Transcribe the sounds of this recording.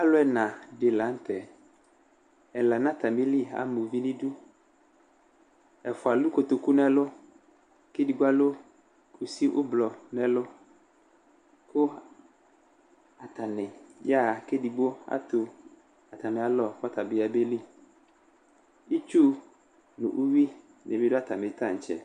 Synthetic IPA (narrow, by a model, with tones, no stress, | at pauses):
a˦lʊ˦ɛ˨˦nã˨dɪ˨la˨˦n̩˦t̪ʰɛ˨ | ɛ˨la˨nã˦t̪a˨mɪ˦li˦a̰˨mo˨vi˦nĩ˦du˦ | ɛ˨fʊ˨a˨lu˦ko˨t̪o˨ku˦nɛ˦lʊ˦ | kɪ˦di˨ɡ͡bu˦a˦lo˦ | kʰu˨si˦ʔʊ̰˦blɔ˨nɛ˨lʊ˦ | kʊ˦ | a˨ta˨nɪ˨ja˦˨kɪ˦di˨ɡ͡bo˦a̰˦tʊ˨ | a˨ta˨mɪ̃˨a˨lɔ˨ka˦ta˨bɪ˨a˨be˦li˦ | i˦t͡ʃu˦ | nʊ̰˨ʔu˦wi˦ | nɛ̰˨mɪ˦dʊ˦a˦ta˨mɪ˨tã˦˨ɲ̩˨t͡ʃɛ̰˨